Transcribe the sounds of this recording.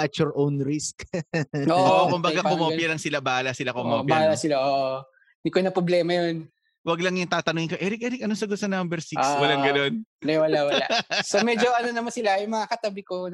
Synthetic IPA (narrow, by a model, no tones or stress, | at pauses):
ɐt̪jɔɾʔownɾiskʔoʔʔoʔkʊmbɐɡakʊmoːpjɐlɐŋsɪlabalɐsɪlakomobjaalasɪlaʔoːʔ | d̪ɪkonɐpɾoblɛːmɐjon | wɐɡ̚lɐŋjʊŋt̪aːt̪ɐnʊŋɪnkoʔɛɾɪk̚ʔɛːɾɪkʔɐnosɐɡt̪̚sɐnambɛɾsiswɐlaŋɡɐno̞nlɐwɐlawɐaʔsomɛd͡ʒoʔɐnonɐmɐsɪlajʊŋmɐŋakɐt̪ɐbɪko